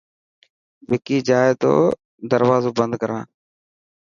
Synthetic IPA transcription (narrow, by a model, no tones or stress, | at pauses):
ʋɪkiːd͡ʒaːeːt̪o̰ː | d̪əɾʋaːzoːbənd̪̚kəɾãː